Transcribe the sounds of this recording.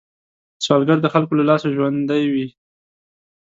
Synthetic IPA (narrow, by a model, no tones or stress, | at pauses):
sɑlɡaɾd̪əxalkolalɑsaʒwand̪ajwi